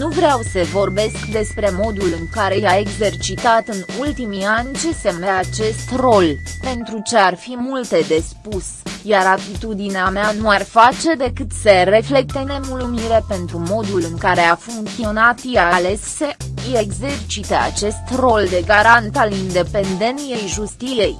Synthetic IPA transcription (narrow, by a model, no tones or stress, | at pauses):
nuvɾeawsəvo̞rbe̞skd̪e̞spɾe̞mo̞d̪ulɨŋkaɾe̞jae̞ɡze̞rt͡ʃit̪at̪ɨnult̪imianʲt͡ʃe̞semeat͡ʃe̞st̪ro̞lpe̞nt̪ɾut͡ʃe̞arfimult̪e̞d̪e̞spus | jaɾat̪it̪ud̪ineameanuarfat͡ʃe̞d̪e̞kɨt̪sere̞fle̞k̚t̪e̞ne̞mulumiɾepe̞nt̪ɾumo̞d̪ulɨŋkaɾe̞afuŋkt̪sio̞nat̪jale̞ssee̞ɡze̞rt͡ʃit̪ea̰t͡ʃe̞st̪ro̞ld̪e̞ɡaɾant̪alind̪e̞pe̞nd̪e̞nje̞jʒust̪ie̞j